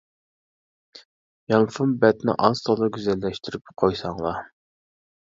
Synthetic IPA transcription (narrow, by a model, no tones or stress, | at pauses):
jɑmfumbɛt̪nɪ̰ʔɑnst̪ʰɑlˠɨɡʲyzɛlːɛʃt̪ʰyɾypqʰojsɑŋlˠɑ